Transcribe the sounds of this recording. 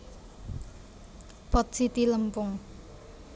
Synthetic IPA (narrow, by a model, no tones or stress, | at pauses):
pɔt̪̚sit̪iləmpʊŋ